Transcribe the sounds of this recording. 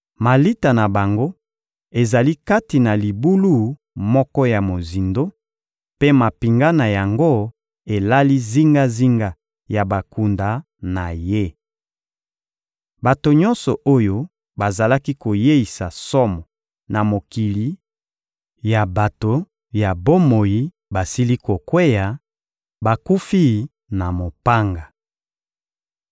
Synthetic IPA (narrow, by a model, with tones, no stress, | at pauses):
ma˨li˦ta˨na˨ba˨ŋɡo˦ | e˨za˨li˦ka˦ti˨na˨li˨bu˦lu˦˨ | mɔ˦kɔ˦ja˨mo˨zi˨ndo˦ | pe˦ma˨pi˨ŋɡa˦na˨ja˨ŋɡo˦ | e˨la˦li˦zi˦ŋɡa˦zi˦ŋɡa˦ | ja˨ba˨ku˨nda˨ | na˨je˦ | ba˨to˨ɲɔ̃˦nsɔ˨ʔo˦jo˦ | ba˨za˨la˦ki˦ko˨je˦i˨sa˨sɔ˦mɔ˨ | na˨mo˨ki˨li˨˦ | ja˨ba˨to˨ | ja˨bo˦mo˨ji˦ | ba˨si˦li˦ko˨kwe˦ja˨ | ba˨ku˦fi˦˨ | na˨mo˨pa˦ŋɡa˨